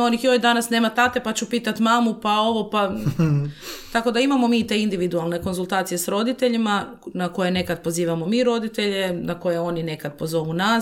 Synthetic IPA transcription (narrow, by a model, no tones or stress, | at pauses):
o̞nixjoid̪anasneːmat̪at̪e̞pat͡ɕupiːt̪at̪maːmupao̞ʋo̞pa | t̪ako̞d̪aimamo̞miːt̪e̞ind̪iʋid̪ualˠne̞ko̞nzulˠt̪aːt̪sije̞sɾo̞d̪it̪e̞ʎima | nako̞jene̞kad̪̚po̞ziːʋamo̞miɾo̞d̪it̪e̞ʎe̞nako̞jeo̞nine̞kad̪po̞zo̞ʋuna